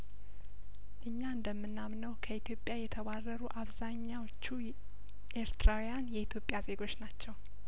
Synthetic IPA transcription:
ʔɨɲːaɨnd̪əmːɨnːamnəwkʰəit̪jo̞pʼːjajɛt̪ʰəβarːəɾuʔaβzaɲːawot͡ʃːu | ʔeɾt̪ɨɾawjanjɛit̪ʰjo̞pʼjaze̞ɡo̞t͡ʃːnat͡ʃːɛw

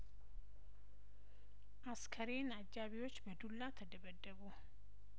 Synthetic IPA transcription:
ʔaskʰəɾenad͡ʒːaβiwo̞t͡ʃːbəd̪ulːat̪ʰəd̪əβəd̪ːəβo

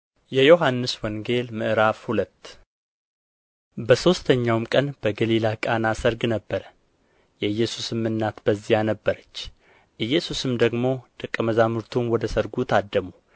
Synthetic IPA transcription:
jɛjo̞ɦanːɨswɔŋɡe̞lmɨʔɨɾafhulət̪ː | bəso̞st̪ʰəɲːawmkʼənb̥əɡəlilakʼanasəɾɡnəbːəɾə | jɛɨjːɛsusɨmːɨnːat̪b̥əzːijanəbːəɾət͡ʃː | ʔɨjːɛsusɨmd̪əɡmo̞d̪̥ɨkʼːəməzamɨɾt̪ʰunwɔd̪əsəɾɡut̪ʰad̪ːəmu

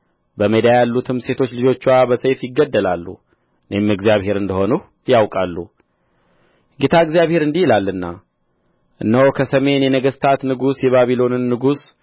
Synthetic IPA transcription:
bəmed̪ajalːut̪ʰɨmse̞t̪ʰo̞t͡ʃːlɨd͡ʒo̞t͡ʃːwabəsəjfjɪɡːəd̪ːəlalːṵ | ɨnemɨɡzijaβhe̞ɾɨnd̪əho̞nuh | jawkʼalːṵ | ɡet̪ʰaɡzijaβhe̞ɾɨnd̪ihilalːɨnːa | ʔɨnːəwkʰəsəme̞njɛnəɡəst̪ʰat̪nɨɡusjɛβaβilo̞nɨnːɨɡus

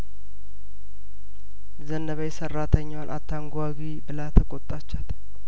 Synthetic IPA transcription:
zənːəβəjɛsərːat̪ʰəɲːwanʔat̪ʰːaŋɡwaɡibɨlat̪ʰəkʼot̪ʼːat͡ʃːat̪

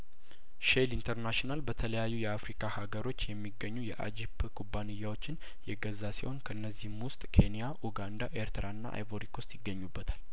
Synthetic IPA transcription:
ʃelint̪ʰəɾnaʃinalbət̪ʰələjajːujɛafɾikʰahaɡəɾo̞t͡ʃːjɛmːiɡːəɲːujɛʔa̰d͡ʒipʰkʰubːanɨjːawo̞t͡ʃːɪn | jɛɡəzːasḭwonkʰəɨnːəzːihmwʊst̪ʼkʰe̞nijaʔuɡand̪aʔe̞ɾt̪ɾaɨnːa̰ʔa̰jbo̞ɾikʰost̪jɪɡːəɲːubːət̪ʰal

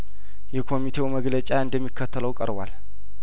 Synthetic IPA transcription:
jɛkʰo̞mit̪ʰe̞wməɡlət͡ʃʼaɨnd̪əmːikʰːət̪ʰːələwkʼə̰ɾwʷa̰l

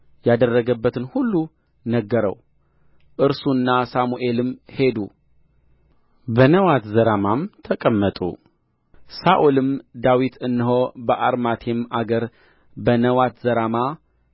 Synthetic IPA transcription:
jad̪ərːəɡəbːət̪ɨnhulːu | nəɡːəɾə̰w | ʔɨɾsunːasamuʔe̞lɨmhe̞d̪ṵ | bənəwat̪zəɾamamt̪ʰəkʼəmːət̪ʼṵ | saʔolɨmd̪awit̪ʰɨnːɨɦo̞bəʔaɾmat̪ʰemaɡəɾ | bənəwat̪zəɾama

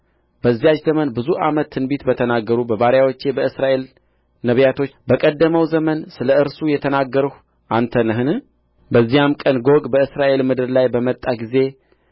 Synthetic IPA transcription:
bəzːijat͡ʃzəmənbɨzuʔa̰mət̪ːɨnbit̪bət̪ʰənaɡːəɾubəβaɾjawɔt͡ʃːe̞bəɨsɾaʔe̞l | nəβəjat̪ʰo̞t͡ʃːbəkʼəd̪ːəməwzəmənsɨləɨɾsujɛt̪ʰənaɡːəɾəh | ʔant̪ʰənəɦɨnɨ | bəzːijamkʼənɡo̞ɡbəɨsɾaʔe̞lmɨd̪ɨɾlajbəmət̪ʼːaɡize̞

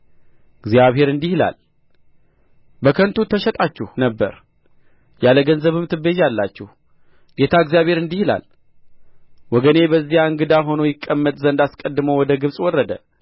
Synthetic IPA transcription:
ɨɡzjaβɦhe̞ɾɨnd̪ihla̰l | bəkʰənt̪ʰut̪ʰːəʃɛt̪ʼat͡ʃːɛhnəbːə̰ɾ | jaləɡənzəβɨmt̪ʰɨbed͡ʒjalːat͡ʃːɛh | ɡe̞t̪ʰaɨɡzijaβhe̞ɾɨnd̪ihila̰l | wɔɡəne̞bəzːijaɨŋɡɨd̪aɦo̞no̞jɪkʼːəmːət̪ʼzənd̪askʼəd̪ːɨməwɔd̪əɡɨβsʼwɔrːəd̪ə

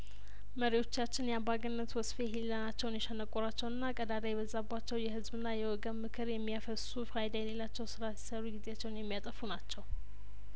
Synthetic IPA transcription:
məɾiwo̞t͡ʃːat͡ʃːɪnjɛabaɡɨnːət̪wəsfeɦilːanat͡ʃːɛwnjɛʃɛnəkʼoɾat͡ʃːɛwɨnːakʼəd̪ad̪ajɛβəzːabat͡ʃːɛwjɛhɨzbɨnːajɛwɔɡəmːɨkʰɨɾjɛmːijafəsufajd̪ajɛlelːat͡ʃːɛwsɨɾasi̥səɾuɡizeat͡ʃːɛwnjɛmːijat̪ʼəfunat͡ʃːɛw

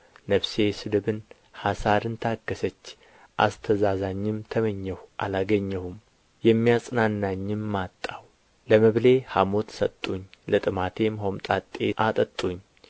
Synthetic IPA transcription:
nəβsesɨd̪ɨβɨn | hasad̪ɨnt̪ʰaɡːəsət͡ʃː | ʔa̰st̪ʰəzazaɲːɪmt̪ʰəməɲːɛwʔa̰laɡəɲːəhum | jɛmːijasʼɨnanːaɲːɨmːat̪ʼːaw | ləməβle̞hamo̞t̪sət̪ʼːuɲlət̪ʼɨmat̪ʰe̞mɦomt̪ʼat̪ʼːḛʔat̪ʼət̪ʼːuɲː

